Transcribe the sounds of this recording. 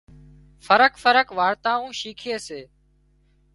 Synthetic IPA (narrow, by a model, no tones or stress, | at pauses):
fʰəɾəkfəɾəkʋaːɾt̪aːũːʃiːkʰeːseː